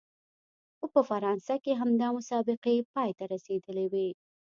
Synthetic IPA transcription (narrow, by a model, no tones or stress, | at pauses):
xopəfaɾɑnsakeɦamd̪ɑmʊsɑbɪqepɑjt̪aɾased̪əlewi